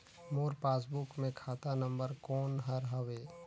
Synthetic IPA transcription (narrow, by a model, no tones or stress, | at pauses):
moːɾpaːs̬bʊkmẽkʰaːt̪anə̃mbəɾkɔːnɦɐɾɦɐʋeː